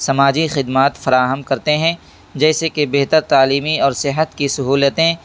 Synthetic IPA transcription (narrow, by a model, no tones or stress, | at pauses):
sɐmaːd͡ʒixɪd̪maːt̪fɐɾaːɦəmkɐɾt̪eɦɛ̃ː | d͡ʒɛːsekebeɦt̪əɾt̪aːliːmiɔːɾsɪɦət̪kisɐɦuːlət̪ẽ